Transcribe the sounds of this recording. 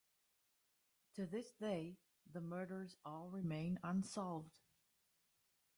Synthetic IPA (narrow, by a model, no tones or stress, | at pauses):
tʰɨðɪsd̥eɪ | ðəmɜ˞ɾə˞zɔlˠɹɪmẽɪ̃nə̃nsɑlˠvd̥